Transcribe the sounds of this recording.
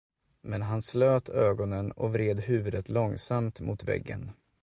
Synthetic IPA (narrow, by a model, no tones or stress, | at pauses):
mɛnɦansløːt̪ʰøːɡɔnənɔ̰vɾeːd̪hʉ̟ːvɵd̪ət̪lɔŋsamt̪mʊːt̪vɛ̰ɡːə̰n